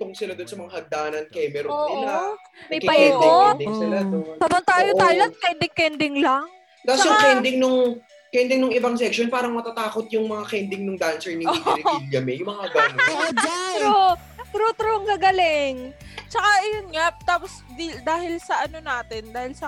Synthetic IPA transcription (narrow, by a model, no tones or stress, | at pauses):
t̪ʊŋsɪlad̪onsɐmɐŋahɐɡ̚d̪aːnɐnkɛmɛɾooɪla | mɐjkɐisod̪ɪŋsɪlad̪onsɐbɐnt̪aːjot̪aːjoɐt̪̚kɛnd̪ɪŋkɛnd̪ɪŋlaŋ | t̪ajʊŋkɛnd̪ɪŋnʊŋ | kɛnd̪ɪŋnʊŋɪbaŋsɛk̚ʃonpaːɾɐŋmɐt̪ɐt̪aːkot̪̚jʊŋmɐŋakɛnd̪ɪŋnʊŋd̪ansɛɹniɾɪiljɐmɛjʊŋmɐŋaɡɐnoɾut̪ɾo | p̪ɾot̪ɾoŋɡɐɡɐlɪŋt͡ʃɐkaʔɐjonŋat̪aːposd̪id̪aːhɪlsɐʔɐnonaːt̪ɪnd̪aːhɪlsɐ